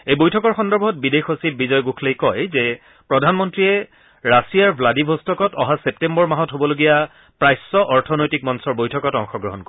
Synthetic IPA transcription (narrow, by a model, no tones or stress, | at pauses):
ejbojtʰɔkɔɹxɔndɔɹbʱɔt̚bidexosib̚bizɔjɡukʰlejkɔjzɛ | pɹɔdʱanmɔntɹiɛ | ɹasijaɹbʱladibʱɔstɔkɔtɔɦasep̚tembɔɹmaɦɔtɦobɔloɡija | pɹajsːɔʔɔɹtʰɔnojtik̚mɔnsɔɹbojtʰɔkɔtɔŋxɔɡɹɔɦɔnko